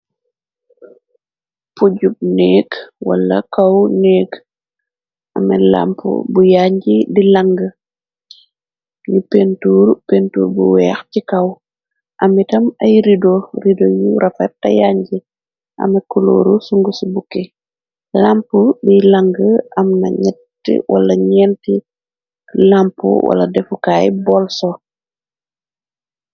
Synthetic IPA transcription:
puɟub̚nɛːɡwa̰lːɐ̰kawnɛːɡ | ʔɐmɛ̰la̰mpṵbujaɲɟidilaŋɡə | nipentuːɾpentṵːɾbuwɛːxcikɐw | ʔɐmitɐmajɾidoɾidojuɾʔɐfɛ̰tːɐ̰jaɲɟi | ʔɐ̰mɐkulo̰ːɾusuŋɡusubukːɛ | lampubilaŋɡəɐmnɐ̰ɲɛtː | ḭwa̰lɐɲɛnti | lampṵwʔa̰lɐ̰dɛfukaːjbɔlsɔ

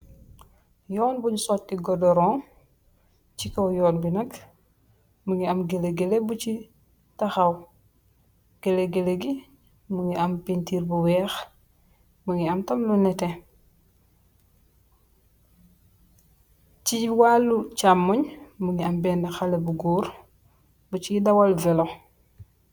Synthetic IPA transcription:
jɔːnbuɲsɔtːiɡɔdɔɾɔŋ | cikɔwjɔːnbinɐk | muŋiɐmɡeleɡelebut͡ʃi | tɐxɐw | ɡ̥eleɡeleɡi | muŋiʔɐmpintiːɾbuwɛːx | muŋiamtɐmlunɛte | t͡ʃiwalːut͡ʃamːuɲmuŋiambɛːndaxalebuɡuːɾ | but͡ʃidawalvɛlo

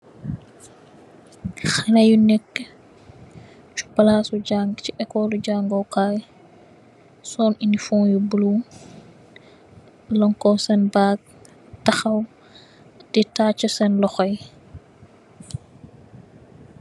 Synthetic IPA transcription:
xɐlɐjunɛkː | t͡ʃu̥pɐlaːsuɟaːŋɡciʔɛkɔːluɟaːŋɡɔwkaːj | sɔːninifɔŋjubulu | lɔŋkɔsɛnbaːɡ̚ | tɐxɐw | d̥ɛtaːt͡ʃːəsɛnlɔxɔj

